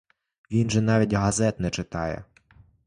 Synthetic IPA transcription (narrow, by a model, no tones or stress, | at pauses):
ʋʲinʒɛnɑʋʲitʲɦɐzɛt̪nɛt͡ʃɪt̪ɑjɛ̰